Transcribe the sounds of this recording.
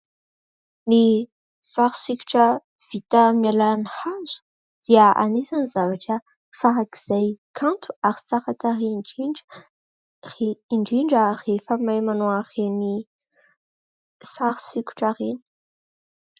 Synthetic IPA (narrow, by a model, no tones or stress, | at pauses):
ni | saɾu̥siku̥ʈ͡ʂə | v̥it̪əmjalanihazu̥ | d̪̥iəʔa̰nesanizavaʈ͡ʂə | faɾaki̥z̥ajkʰant̪u̥aɾi̥t͡saχat̪ai | eiɳɖ͡ʐiɳɖ͡ʐərefəmajmanoaχeni | saɾu̥siku̥ʈ͡ʂareni̥